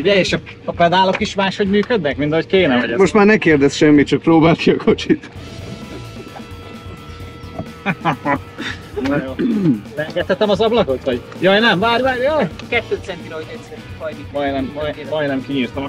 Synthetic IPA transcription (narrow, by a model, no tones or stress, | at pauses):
uɟɛeːʃɒ | ɒpɛd̪aːlo̞kiʃmaːʃho̞ɟmyːkød̪nɛkmint̪ɒɦockeːnɛvɛɟɛmoʃt̪maːrnɛkeːrd̪ɛsʃɛmːit̪̚t͡ʃɒk̚proːbaːlk̪iɒkʰo̞t͡ʃit̪ | joːrɛŋɡɛt̪hɛt̪ɛmɒzɒblɒko̞t̪ho̞ɟjɒjnɛmvaːɾvaːɾjɒkɛt̪ːøːt̪sɛnk̪iloit̪ɛt̪sɛɾmɒjd̪imɒjnɛmːɒjmɒj̪nɛmkiɲiːrt̪om